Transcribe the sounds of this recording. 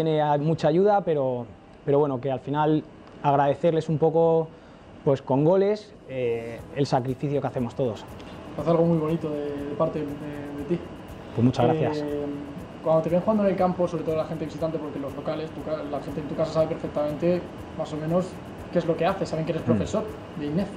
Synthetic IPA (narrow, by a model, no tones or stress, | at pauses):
t̪jene̞mut͡ʃaːʝuðape̞ɾo̞ | pe̞ɾo̞βwe̞noke̞alfinal | aɣ̞ɾað̞e̞θe̞ɾle̞sumpo̞ko̞ | pwe̞sko̞ŋɡo̞le̞s | eelsakɾifiθjo̞keaθe̞mo̞st̪o̞ð̞o̞st̪eaθealɣ̞o̞mwujβo̞nit̪oðeðepaɾt̪eðeðe̞t̪i | pwemut͡ʃazɣɾaaθjas | kwand̪ot̪ejeŋxuɣand̪onelkampo̞soβɾet̪oalaxe̞nt̪eβisit̪ant̪epo̞ɾkelo̞zlo̞kale̞st̪ukalaxe̞nt̪ent̪ukasasaβe̞pe̞ɾfek̚t̪amẽnt̪e̞ | maso̞mẽno̞s | ke̞zlo̞keaθe̞saβeŋkeeɾepɾofe̞so̞ɾ | ðeineθ